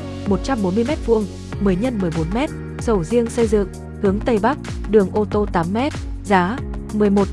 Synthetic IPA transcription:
mo˨˩t̚t͡ɕa˧mɓo˨˦nmɨ˧əjmɛ˦˥t̚fṵ˧˨əŋ | mɨ˨˩əjɲə˧nmɨ˨˩əjɓo˨˦nmɛ˦˥t̚ | sə˧˩wzi˧əŋsə˧jzɨ̰˧˨ŋ | hɨ˨˦əŋt̪ə˨˩jɓa˦˥k̚ɗɨ˨˩əŋʔo˧t̪o˧t̪aː˨˦mːɛ˦˥t̚zaː˨˦mɨ˨˩əjmo˨˩t̚

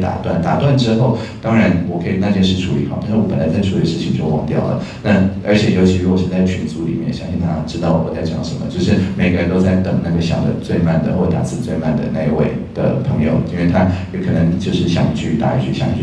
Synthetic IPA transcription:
t̪a̰˨˧˥t̪wa̰˥˩nt̪a̰˨˩t̪wa˥˩nʈ͡ʂɻ̩˥xo˥˩ʊ | t̪ɑ˥ŋɻa˧˥nwɔ˨˩kʰɤ˧˥i˨˩na˥˧t͡ɕjɛ˥˧nʂɻ̩˥˩ʈ͡ʂʰṵ˧˥li˨˩xɑ˨˩t̪a˥˧ʂɻ̩˥˩wpə˨˩nla˧˥ɪt͡sa˥˩ɪʈ͡ʂʰu˥i˧˩ʂɻ̩˥˩t͡ɕʰḭ˨˩ŋt͡ɕjo˥˩ʊwɑ̰˨˩ŋt̪jɑ˥˩ʊlə̰˩ | na˥˩ə̰˞˧˥t͡ɕʰjɛ˨˩jo˧ʊt͡ɕʰi˧˥ɻy˧˥wɔ˨˩ɕjɛ˥n˥t͡sa˥˩t͡ɕʰy˧˥nt͡su˧˥lḭ˨˩mjɛ̰˥˩jɕɑ˥ŋɕi˥˧nt̪ʰa˥˩ʈ͡ʂɻ̩˥t̪ɑ˥˩ʊ˨˩ɔ˨˦˩t͡sa˥ɪt͡ɕjɑ̰˨˩ŋʂə˧˥mə̰˧˦t͡ɕjo˥˧ʊʂɻ̩˥˩me˨˩ɪɡə˦ɻə˧˦nt̪o˥ʊt͡sa˥˩ɪt̪ə˨˩ŋna˥˩ɡə˩ɕjɑ̰˨˩ŋd̪ə̰˦t͡swe˥˧ɪma˥˩nd̪ə˩xwɔ˥˩ə˩t̪a̰˧˥t͡sʰɹ̩˨˩t͡swe˥˧ɪma˥˩nd̪ə̰˩ne˥˧ɪ˧we˥˩ɪd̪̥ə̰˩pʰɤ˧˥ŋjo̰˨˧ʊi˥nwe˥˩ɪt̪ʰa˥jɛ˧˥kʰɤ˨˩nə˧˥ŋt͡ɕjo˥˧ʊʂɻ̩˥˩ɕjɑ̰˨˩ŋt͡ɕʰy˥˩t̪a̰˧˥y̰˧˥t͡ɕʰy̰˥˩ɕjɑ̰˨˩ŋt͡ɕʰy˥˩

